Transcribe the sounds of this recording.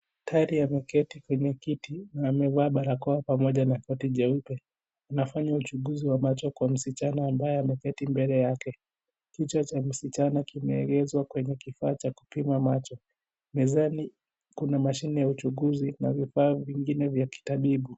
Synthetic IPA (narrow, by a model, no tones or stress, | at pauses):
tʰaɾiamɛkɛtikwɛɲɛkitinaːmɛvaːɓaɾakɔapamɔʄanakɔtiʄɛupɛ | anafaɲaut͡ʃuɠuziwamat͡ʃɔkwam̩sit͡ʃanaːmbajɛamɛkɛtimbɛlɛjakɛ | kit͡ʃat͡ʃam̩sit͡ʃanakimɛːɡɛzwakwɛɲɛkifaːt͡ʃaku̥pimamat͡ʃɔ | mɛzani | kunamaʃinɛjaut͡ʃuɠuzina̰vifaːviŋɡinɛvjaki̥taɓiɓu